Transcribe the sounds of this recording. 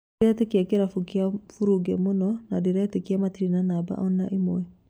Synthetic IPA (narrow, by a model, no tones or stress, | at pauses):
ɾɛtekiakeɾafukiafuɾuɡɛmonɔnadeɾɛtekiamat̪iɾinanaba̰ʔɔna̰ʔimwɛ